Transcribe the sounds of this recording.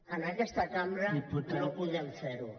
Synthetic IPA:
ənakɛst̪akambɾaunopuðɛmfeɾu

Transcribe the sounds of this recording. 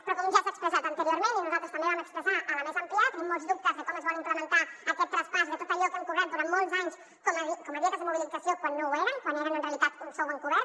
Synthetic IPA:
pɾɔkɔmʒasəkspɾəzat̪ənt̪əɾioɾmẽninuzalˠt̪ɾəskwandeβəməkspɾəzaʔələmezəmpliat̪amːɔlˠzðup̚t̪əzðəkɔməzβanimpləmənt̪aəkɛt̪ːɾəspazðət̪ot̪əʎɔkəŋkurɛt̪̚d̪uɾant̪mɔlˠzaɲs | kɔməikɔməðiəkəzðəmuβiliikəsiokwanːoweɾəŋkwaneɾənənreəlit̪at̪unsowβəŋkurɛ

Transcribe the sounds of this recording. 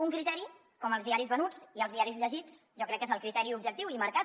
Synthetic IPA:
uŋkɾit̪ɛɾi | kɔməlˠzðiaɾizβənut͡siəlˠzðiaɾizʎəʒit͡sʒɔkɾɛkːezəlˠkɾit̪ɛɾiubʒək̚t̪iwiməɾkat̪

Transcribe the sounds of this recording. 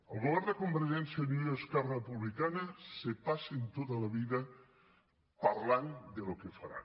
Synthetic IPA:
əlˠɣoβɛɾd̪əkumbəɾʒɛnsjanuoskɛrrepuβlikanəsepasent̪ot̪əlɐβiðə | paɾland̪əlokefaɾa̰

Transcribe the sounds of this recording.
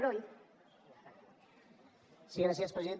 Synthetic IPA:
ɾoj | siɣɾas̬jaspɾeziðen

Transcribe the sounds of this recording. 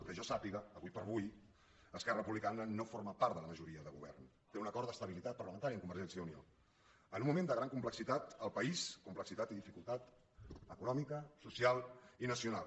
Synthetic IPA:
kəʒɔsapiɣəːβujpəɾβuj | əskɛrəpuβlikanənofoɾməpaɾt̪d̪ələməʒuɾiəðəɣṵβ̞ɛ̰rn | t̪eunəkɔɾd̪əst̪əβ̞ilit̪at̪̚pəɾləmənt̪aɾiəŋkumbəɾʒɛnsjəunio̰ | ənũnmːumẽnd̪əɣ̞ɾaŋkumpləksit̪at̪əlˠpəiskumpləksit̪at̪iðifikulˠt̪at̪ | əkunɔmikəsusialˠinəsiunalˠ

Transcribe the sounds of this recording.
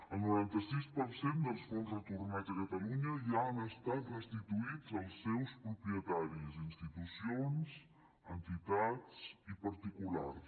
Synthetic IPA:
əlˠnuɾant̪əsispəɾsend̪əlˠsfonzrət̪urnad͡zəkət̪əluɲəʒaənəst̪at̪rəst̪it̪uid͡zəlˠsːɛwspɾupɾiət̪aɾizinst̪it̪usionz | ənt̪it̪at͡sipəɾt̪ikula̰rs

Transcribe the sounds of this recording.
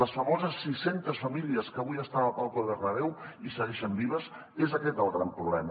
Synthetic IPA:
əsfəmɔzəsːisent̪əsfəmiliəskəβujəst̪aəpalˠkolˠðərəβɛwisəɣɛʃəmbiβ̞əs | ezəkɛt̪əlˠɣɾampɾuβlɛmə

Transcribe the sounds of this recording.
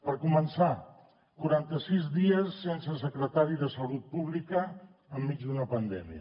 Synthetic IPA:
pəɾkumənsa | kuɾant̪əsizðiəsːensəsəkɾət̪aɾiðəsəlut̪̚puβ̞likəː | mːid͡zðunəpənd̪ɛ̰miə̰

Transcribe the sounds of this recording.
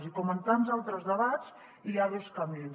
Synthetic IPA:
zikɔmənt̪anzalˠt̪ɾəzðəβaz̥ | iaðoskambin

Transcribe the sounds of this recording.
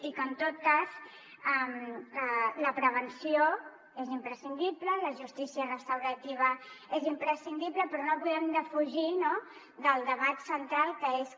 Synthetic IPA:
d̪ikənt̪ot̪̚kaz | ɛmələpɾəβ̞ənsio | ezimpɾəsind̪iplələʒust̪isiərəst̪əwɾət̪iβ̞əezimpɾəsind̪ipləpɾɔnoβuɛmd̪əfuʒino | ðəlˠd̪əβat̪sənt̪ɾalˠkəes

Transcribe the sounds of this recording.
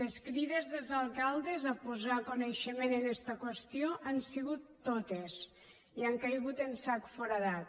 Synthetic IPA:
leskɾiðezðelzalˠkalˠd̪ezapuzakuneʃəmenenɛst̪əkwest̪ioʔansiɣut̪ːot̪es | iaŋkajɣut̪ensakfɔɾaðat̪̚

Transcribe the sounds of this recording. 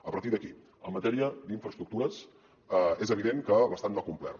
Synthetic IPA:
əpəɾt̪iðəki | əmːət̪ɛɾiəd̪iɱfɾəst̪ɾuk̚t̪uɾəs | ezəβ̞iðeŋkəβəst̪anbakumplɛ̰r

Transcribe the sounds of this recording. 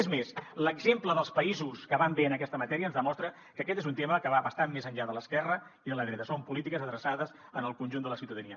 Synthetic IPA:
ezmesləɡzempləðəlˠspəizuskəβambeənəkɛst̪əmət̪ɛɾiənzðəmɔst̪ɾə | kəkɛt̪ezunt̪eməkəβaβəst̪ammezəɲʎaðələskɛrə | iðələðɾɛt̪əsompulit̪ikəzəðɾəsaðəzənəlˠkunʲʒund̪ələsiwt̪əðəniə

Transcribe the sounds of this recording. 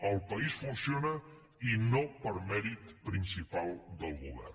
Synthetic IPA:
əlˠpəisfunsionə | inopəɾmɛɾit̪pɾinsipalˠd̪əlˠɣuβɛ̰r

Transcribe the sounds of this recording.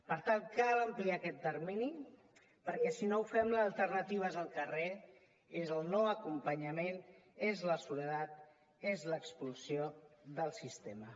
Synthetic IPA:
pəɾt̪ankaləmpliakɛt̪̚d̪əɾmini | pəɾkɛsinouwfɛmləzəlˠt̪əɾnət̪iβ̞əzəlˠkəre | ezəlˠnoəkumpəɲəmenezləsuləðat̪̚ | ezləkspulsijoðəlˠsist̪emə

